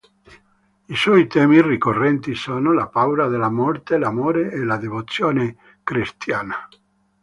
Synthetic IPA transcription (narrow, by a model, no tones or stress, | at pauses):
iswɔjt̪ɛːmirikorːɛnt̪isoːnolapawɾad̪elamɔrt̪elamoːɾeʔːlad̪evot̪sːjoːne | kɾist̪jaːna